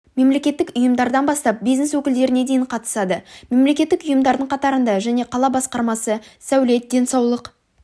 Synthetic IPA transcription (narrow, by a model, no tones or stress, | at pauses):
me̞mle̞kʲe̞t̪ːɪkʊjəmd̪ɑɾd̪ɑnbɑst̪ɑp̚bijzneswɵkʲɪld̪e̞ɾɪne̞d̪e̞jɪɴqʰɑt̪ə̥sɑd̪əme̞mle̞kʲe̞t̪ːɪkʊjəmd̪ɑɾd̪əɴqʰɑt̪ɑɾənd̪ɑʒæne̞qʰɑlˠɑbɑsqɑɾmɑsəsæwle̞t̪̚d̪e̞nsɑwlˠəq